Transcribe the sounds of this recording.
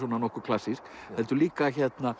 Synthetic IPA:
ɔnanɔhkʏɾkʰl̥asːisk | ɛlt̪ʏliːkaçɛt̪na

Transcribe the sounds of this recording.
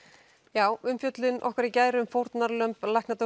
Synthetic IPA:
jaːwʏmfjœt̪lɪnʔɔ̰hkvɛɾicaːjɾʏmfowɾt̪naɾlœmplajhknat̪

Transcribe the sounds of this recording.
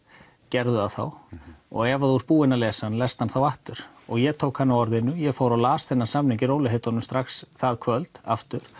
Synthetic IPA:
cɛɾðʏaðθa̰wɔ̰ɣɛvaðuɾpuːɪnalɛːsanlɛst̪hanθawaht̪ʏɾ̥ | ɔɣjɛt̪ʰoːwkhanːawɔɾðɪnːʏjɛfaːwɾalaːsθɛnːḁsamnicɪɾowlɪhet̪ɔnːʏmst̪ɾaxsθaðkʰvœlt̪a̰ft̪ʏɾ̥

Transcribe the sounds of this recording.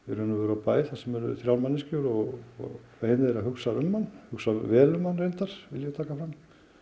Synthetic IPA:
ɛɾʏnʏvɛɾapaːjɪθasɛmɛɾʏθɾjawlmanːɪscowɾɔɣɔ̰fahɪnðɛɾaɦʏksaɾʏmːanːhʏksavɛːlʏmːanrejnt̪aɾ̥vɪljat̪ʰaːkafɾam

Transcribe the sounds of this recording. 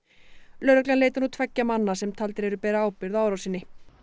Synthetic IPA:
lœɾœklanleːjt̪anut̪ʰvɛcːamanːasɛmt̪ʰalt̪ɪɾɛɾʏpɛːɾaaːwpɪɾðaːwɾawsinːɪ

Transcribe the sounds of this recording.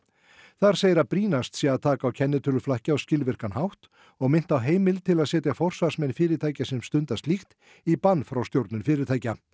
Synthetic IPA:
θaɾ̥seːjɪɾapɾiːnast̪siaðt̪ʰaːkaːwcʰɛnːɪt̪ʰʏlʏflahcɪawscɪlvɪr̥kanɦawht̪ | ɔɣmɪn̥t̪awɦeːjmɪlt̪ʰɪlaðsɛːt̪jafɔr̥saɾ̥smɛnfɪːɾɪɾt̪ʰaːjcasɛmst̪ʏnt̪ast̪lixt̪ | ipanːfɾawst̪jowɾt̪nʏnfɪːɾɪɾt̪ʰaːjca

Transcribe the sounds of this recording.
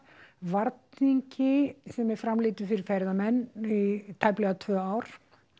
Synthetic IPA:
vaɾt̪̚niɲcɪsɛmɛɾfɾamlɪːt̪ʏfɪɾɪɾ̥fɛɾðamɛnːit̪ʰaːjplɛɣat̪ʰvœːaːwɾ̥

